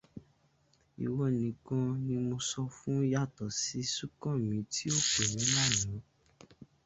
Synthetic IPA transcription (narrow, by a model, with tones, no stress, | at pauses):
ḭ˨wo˦nĩ˨kɔ̃˧nĩ˧mo˧sɔ˧fũ˦ja˦˨tɔ˨si˨˦su˦kɔ̃˦˨mĩ˨˦tʰi˦o˦˨k͡po˨nĩ˨˦la˦˨lɔ̃˨˦